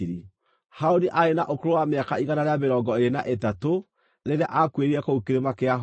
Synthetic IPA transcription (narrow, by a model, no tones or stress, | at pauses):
ɾi | haoniʔaenaʔokoɾowameakaiɣanaɾeameɾɔːɡɔeɾena̰ʔetato | ɾeɾeaʔakweɾiɛkoukeɾemakeaɦ